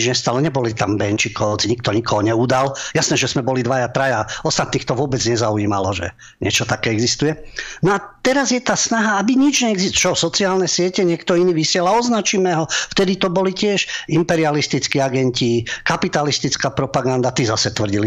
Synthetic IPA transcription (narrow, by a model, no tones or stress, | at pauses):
d͡ʒɲɛst̪alɔɲɛbɔlit̪ambɛnt͡ʃikɔʊt͡sɲik̚t̪ɔɲikɔɦɔɲɛuːd̪aljasnɛːʒɛzmɛbɔlid̪ʋajat̪ɾajaɔst̪at̪̚niːxt̪ɔʋʊɔbɛd͡zɲɛzauiːma̰lɔʒɛ̰ | ɲɪɛt͡ʃɔt̪akɛːɛɡzist̪ujɛnɔat̪ɛɾazjɛt̪aːsnaɦaabiɲid͡ʒɲɛːɡzist͡ʃɔsɔt͡siaːlnɛsɪɛcɛɲɪɛkt̪ɔiniːʋisɪɛlaɔznat͡ʃimɛɦɔft̪ɛd̪it̪ɔbɔlicɪɛʃimpɛɾialist̪it͡skiːaɡɛncikapit̪alist̪it͡skaːpɾɔpaɡand̪at̪izasɛt̪ʋr̩ɟili